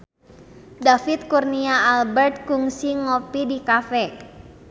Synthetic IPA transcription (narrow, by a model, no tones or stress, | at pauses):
dafit̪̚kurniaːlbɛrt̪̚kuŋsiŋɔpidikafɛ